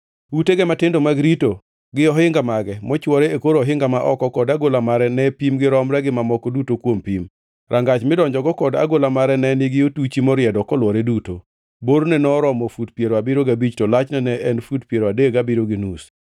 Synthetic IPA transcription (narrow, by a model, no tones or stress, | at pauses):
uteɡɛmatɪndomaɡɾito | ɡɪɔɦɪŋɡamaɡɛmɔt͡ʃwɔɾeekoɾɔɦɪŋɡamaʔɔkɔkɔdaɡolamaɾɛnɛpimɡɪɾɔmɾɛɡɪmamɔkɔdutokwompim | ɾʔaŋɡat͡ʃmɪdɔɲd͡ʒɔɡɔkɔda̰ɡolamaɾɛnɛniɡɪjotut͡ʃimɔɾɪɛdɔkɔlwɔɾeduto | boɾnɛnɔɾɔmɔfudpjeɾoabɪɾoɡabit͡ʃtɔlat͡ʃnɛnɛʔɛnfutpjeɾoadeɡabiɾoɡɪnus